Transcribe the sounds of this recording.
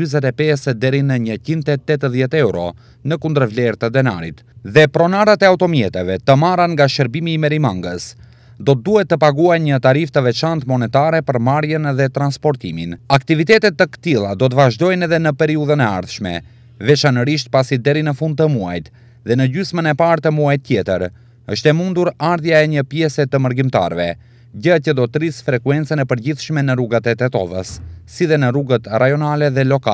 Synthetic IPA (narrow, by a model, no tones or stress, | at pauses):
yzɛt̪ɛpɛsəd̪ɛɾinəɲət͡ʃint̪ɛt̪ːɛt̪əðjɛt̪ɛwɾɔ̰ | nəkund̪əɾvlɛɾt̪əd̪ɛna̰ɾḭt̪ | ðɛpɾɔnaɾat̪ɛawt̪ɔmjɛt̪ɛvɛt̪əmaɾanŋɡaʃəɾbimiːmɛɾimaŋɡəs | d̪ɔt̪̚d̪uɦɛt̪ːəpaɡuajɲət̪aɾift̪əvɛt͡ʃant̪mɔnɛt̪aɾɛpəɾmaɾjənðɛt̪ɾanspɔɾt̪iminakt̪ivit̪ɛt̪ɛt̪ːəkə̥t̪ilˠad̪ɔt̪̬əvaʒd̪ɔjnɛðɛnəpɛɾiuðənɛa̰ɾθʃmɛ̰ | vɛt͡ʃanəɾiʃ̬t̪̚pasid̪ɛɾinəfund̪̚t̪əmua̰jt̪ | ðɛnəɟysmənɛpaɾt̪əmuajt̪ːjɛt̪ə̰ɾ | əʃt̪ɛmund̪uɾaɾðjaɛɲəpjɛsɛt̪əməɾɡimt̪a̰ɾvɛ̰ | ɟəacəd̪ɔt̪əɾisfɾɛkuɛnt͡sənɛpəɾɟiθʃmɛnəruɡat̪ɛt̪ɛt̪ɔ̰və̰sːiðɛnəruɡət̪ɾajɔnalɛðɛlɔkal